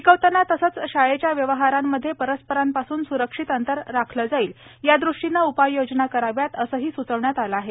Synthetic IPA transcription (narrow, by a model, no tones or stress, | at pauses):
ikəʋt̪ənat̪əsət͡sɕajet͡ɕjaʋjəʋəɦaɾamːəd̪ʱːjepəɾəspəɾampasuːnsuɾəkʂit̪ənt̪əɾːakʰləd͡zaiːljad̪ɾuʂʈinːaupajjod͡znakəɾaʋjat̪əsəːɦiːsut͡səʋɳjat̪aləaɦe